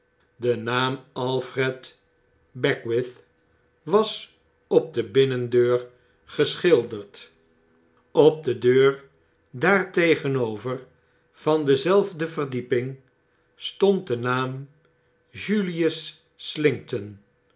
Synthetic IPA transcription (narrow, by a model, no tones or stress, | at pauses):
dənaːmɑlˠfrɛt | bɛkwɪθ | ʋɑs | ɔb̚dəbɪnəndøːɹ | χəsχɪlˠdəɹt | ɔb̚dədøːr | daːɹtejχənowvər | v̥ɑndəzɛlˠvdəvərdipɪŋ | stɔnt̚dənaːm | ʒylijəsː | lɪŋk̚tən